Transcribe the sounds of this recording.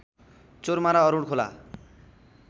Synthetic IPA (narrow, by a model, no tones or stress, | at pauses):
t͡soɾmaɾaɔɾuɽkʰola̰